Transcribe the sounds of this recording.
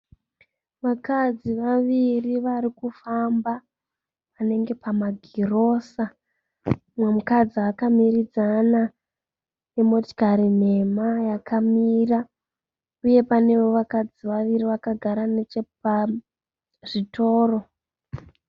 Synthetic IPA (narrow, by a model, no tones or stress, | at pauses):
ʋakad͡ziʋaʋiriʋaɾikufamba | ane̞ŋɡe̞pamaɡʱiro̞sa | mwemukad͡ziakamirid͡zana | emo̞ti̥kaɾine̞majakʰamira | uje̞pane̞ʋo̞ʋakad͡ziʋaʋiriʋakaɡʱaɾanet͡ʃepa | ʐitʰo̞ːro̞